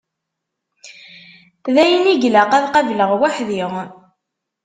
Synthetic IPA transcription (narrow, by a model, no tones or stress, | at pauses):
θðæjəniʝlaqæðqævləʁwaħðiʁ